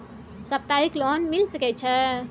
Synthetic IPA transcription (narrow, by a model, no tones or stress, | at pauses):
səp̚t̪aiklonmilsəkɛt͡ʃʰɛ